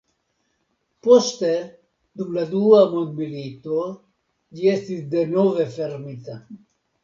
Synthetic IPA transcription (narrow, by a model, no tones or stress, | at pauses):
post̪e | d̪umlad̪uamond̪milit̪o | d͡ʒiest̪isd̪enovefeɾmit̪a